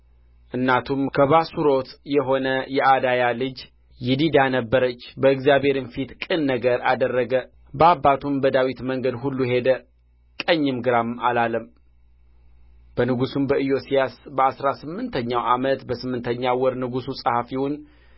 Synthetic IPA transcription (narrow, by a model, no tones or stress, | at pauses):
ʔɨnːat̪ʰumkʰəβasuɾo̞t̪jɛɦo̞nəjɛʔad̪ajalɨd͡ʒ | jɪd̪id̪anəbːəɾət͡ʃːbəɨkzijaβhe̞ɾɨnfit̪kʼɨnːəɡəɾa̰d̪ərːəɡə | bəabːat̪ʰumbəd̪awit̪məŋɡəd̪ɦulːuhe̞d̪ə | kʼəɲːɪmɡɨɾamalaləm | b̥ənɨɡusumbəʔɨjo̞sijasbəasɾasɨmːɨnt̪ʰəɲːawʔamət̪bəsɨmːɨnt̪ʰəɲːawɔɾnɨɡususʼəhafiwʊn